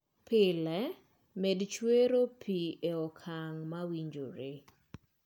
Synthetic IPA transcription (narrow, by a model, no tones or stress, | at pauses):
pʰɪlɛ | mɛdt͡ʃweɾopʰieɔkʰaŋmawiɲd͡ʒo̰ɾe